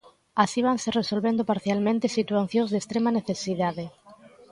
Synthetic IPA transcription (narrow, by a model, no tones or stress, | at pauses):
asiβ̞anseresolβẽnd̪opaɾθjalmẽnt̪esit̪uwaθjõŋzðest̪ɾemɐneθesiðaðe